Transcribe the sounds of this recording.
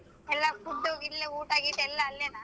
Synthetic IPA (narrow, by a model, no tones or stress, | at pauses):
ɛlːafud̪ːuilːeuːʈaːɡit̪ːɛlːɐɐlːeːnaː